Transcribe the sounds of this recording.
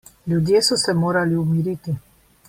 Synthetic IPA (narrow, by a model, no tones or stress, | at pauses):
ljud̪jeːsɔsɛmoːɾaliumiɾit̪i